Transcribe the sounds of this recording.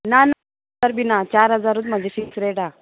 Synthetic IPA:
nan | aɾbinat͡ɕaɾɦəd͡zaɾut̪m̤əd͡ʑʱeɕiksɾeʈa

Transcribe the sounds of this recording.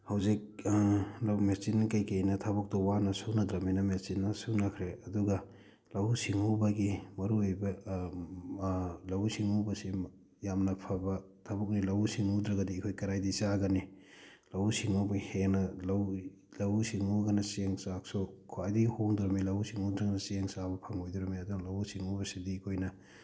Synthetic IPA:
hawzik̚ | lawmesinkɐjkejnɐtʰabɔk̚tɔwanɐsuwnɐdɾɐminɐmesinːɐsuwnɐkʰɾeɐduɡɐ | lɐwsiŋubɐɡimɐɾuojbɐ | lɐwsiŋubɐsi | jamnɐpʰabɐ | tʰɐbuk̚nilɐwsiŋudɾɐɡɐdiːkʰojkɐɾajdisaɡɐni | lɐwsiŋubɐheŋnɐlɐw | lɐwsiŋuɡɐnɐseŋsak̚sukʰoajdiɡihoŋdɔɾɔmilɐwsiŋudɾɐŋnɐseŋsabɐpʰɐŋojduɾɔmiɐduɡɐlɐwsiŋubɐsidiːkʰojnɐ

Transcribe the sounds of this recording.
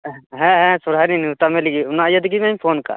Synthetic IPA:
ɦɛ̃ɦɛ̃suɾɦaniniwt̪amɛ̃liɡiʊnajəd̪ɡimɛmpʰoːnka̰

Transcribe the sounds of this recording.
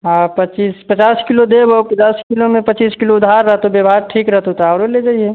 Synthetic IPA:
ɦãpət͡ʃiːspət͡ʃaːskilod̪ebopət͡ʃaːskilomẽpət͡ʃiːskiloʊd̪ʱaːɾːəɦt̪objəbʱaɾʈʰiːkɾəɦt̪ot̪aɾeled͡ʒaːie

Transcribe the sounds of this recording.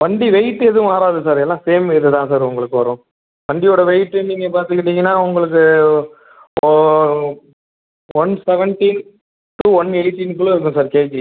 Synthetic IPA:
ʋɐɳɖiʋɛɪʈːɯɛðɯ̃aːɾaːðɯsaːɾɛlːãːseːmɪðɯt̪ãːsaːɾʊŋɡɐɭɯkːɯʋɐɾʊ̃ː | ʋɐɳɖijoːɽɐʋɛɪʈːɯniːŋɡɐpaːɾt̪ɯkːɪʈːiːŋɡɐnːaːʊŋɡɐɭɯk̬ːɯ | ʋɐnsɛʋɛɳʈin | ʈuʋɐneɪʈinkːʊɭːɐɪɾɯk̬ːʊ̃saːɾkeːkː

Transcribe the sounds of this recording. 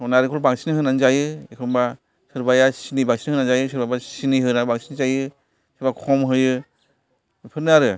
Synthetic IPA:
sɔnaɾɯkʰɔlbaŋsʰinɦɯnanzajɯekʰɯmba | sɯɾbajasinibaŋsinhɯnanzajɯs̬ɯɾbajbasiniɦɯnaɾbaŋsʰinzajɯ | sibakʰɔmɦɯjɯ | pʰɯɾnɯaɾɯ

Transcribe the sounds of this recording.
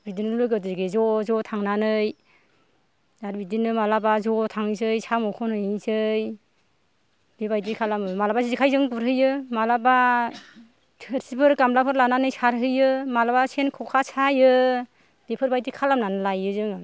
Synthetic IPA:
bidinɯnulɯɡɯtɯɡezɔzɔtʰaŋnanɯj | daɾbidinɯmalabazɔtʰaŋɯzɯjsamɔkʰɔnɯjzɯj | b̥ebajdikʰalamɯmalabazizikʰajzɯŋɡuɾɦɯjɯmalaba | tʰɯɾsipʰɯɾɡamlapʰɯɾlananɯjsaɾɦɯjɯmalabasenkʰɔkʰasajɯ | b̥epʰɯɾbajdikʰalamnanɯlajɯzɯŋɯ

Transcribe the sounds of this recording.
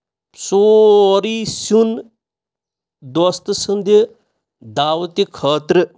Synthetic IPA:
soɾisun | d̪ost̪ɨsɨnd̪i | d̪aːwt̪ikʰɐːt̪ɾɨ

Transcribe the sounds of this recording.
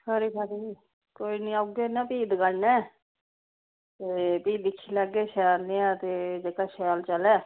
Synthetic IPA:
sʰəɾiːsəɾiː | koːiːniːaɡenãːpiːd̪ɡəɽnɛː | t̪eːpiːɪkʰːiːləɡeːʃɛːlnĩːãːt̪eːd͡ʒeːkaːʃɛaːlt͡ʃəlɛː

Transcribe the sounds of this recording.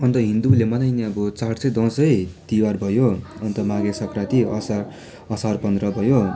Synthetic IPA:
ʌnt̪ʌɦind̪ulemʌnʌjneʌbʌt͡sart͡sʌjd̪ʌ̃sʌjt̪iwarbʱʌjoʌnt̪ʌmaɡesʌkrat̪iʌsa | ʌsarpʌnd̪rʌbʱʌjo

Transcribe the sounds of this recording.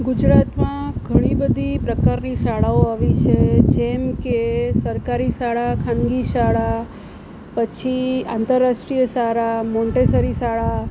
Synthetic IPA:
ɡʊd͡ʒɾat̪mãɡʱəɽ̃ibəd̪ʱipɾəkaɾniʃaɭaoaʋit͡ʃʰed͡ʒɛmkesəɾkaɾiʃaɭakʰãnɡiʃaɭa | pət͡ʃʰia̰nt̪əɾːaʃʈɾijəʃaɾamɔ̃ɳʈesəɾiʃaɭa

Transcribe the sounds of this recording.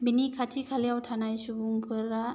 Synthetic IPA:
binikʰatʰikʰalijawtʰanajsubuŋpʰɯɾa

